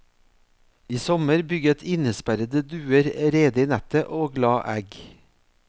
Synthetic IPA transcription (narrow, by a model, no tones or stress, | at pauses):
iːsɔməɾbʏɡət̪ʰɪnəspæɾəd̪əd̪ʉːəɾɾeːd̪əiːnæt̪əʔoːɡlɑːʔæɡ